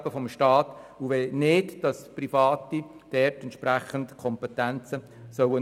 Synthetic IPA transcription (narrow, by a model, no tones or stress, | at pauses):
b̥əfɔmʃtɑːtuʋenɪtd̥ɑsprifɑːt̪id̥ɛɾtɛnt̪ʃpræχəntkʰɔmpɛtænt͡sə | sœwə